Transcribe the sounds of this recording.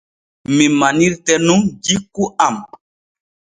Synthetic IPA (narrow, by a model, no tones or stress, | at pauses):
mimaniɾtɛnũŋɡikuam